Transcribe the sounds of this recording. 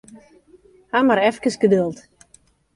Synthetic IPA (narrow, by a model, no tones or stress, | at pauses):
hamaɾɛfkəsɡədølˠt